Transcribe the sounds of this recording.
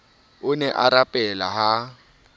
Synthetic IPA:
ʊnɛʔaɾapʼɛlaɦa

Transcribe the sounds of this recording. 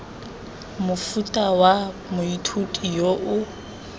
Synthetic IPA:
mʊfutʼawa | mʊitʰutʼijoʔʊ

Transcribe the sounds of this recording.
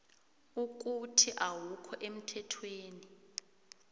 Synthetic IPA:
uk̬ʼutʰiʔawukʰɔʔem̩tʰɛtʰweːni

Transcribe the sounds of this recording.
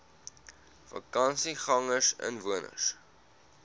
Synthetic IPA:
fɐ̰kɐnsiχɐŋəsə̰nvuənə̰s

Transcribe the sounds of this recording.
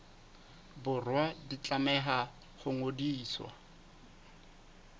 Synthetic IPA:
bʊrwadit͡ɬʼamɛχa | χʊŋodiːswa̰

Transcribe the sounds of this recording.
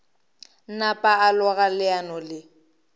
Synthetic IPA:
n̩napʼaːlʊɣalɪanɔlɪ

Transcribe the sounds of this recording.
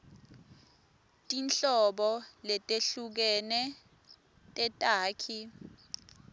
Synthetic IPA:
tʼinɬɔɓɔlɛtʼeɬuk̬ɛnɛ | tʼɛtʼaːkʰi

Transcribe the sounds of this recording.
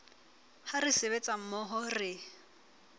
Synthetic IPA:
harɪsɪbet͡sʼam̩mɔɦɔrɪ

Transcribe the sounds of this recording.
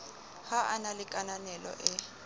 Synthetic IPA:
haʔanalɪkʼananɛlɔ̰ʔɪ

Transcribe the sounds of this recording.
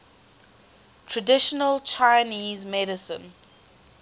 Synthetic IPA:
tʰɹədɪʃənəlt͡ʃʰaɪniːzmɛɾɪsə̰̃n

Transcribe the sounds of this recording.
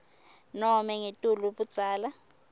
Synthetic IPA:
nɔmɛŋetʼuluɓud̥z̥ʱaːla

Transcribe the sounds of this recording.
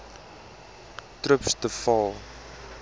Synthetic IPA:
trəpstəfɑː

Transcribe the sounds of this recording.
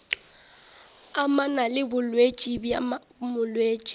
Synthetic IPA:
amanalɪbʊlwet͡ʃʼibja | mʊlweːt͡ʃʼi̥

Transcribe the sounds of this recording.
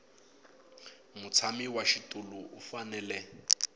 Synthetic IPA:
mut͡sʰamiwaʃitʼuluʔufanɛːlɛ

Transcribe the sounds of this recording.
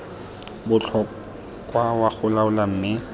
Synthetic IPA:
bʊt͡ɬʰɔ | kwawaχʊlaʊlam̩ːmɪ

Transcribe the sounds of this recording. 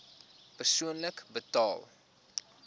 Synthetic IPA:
pərsuənləkbətɑːlˠ

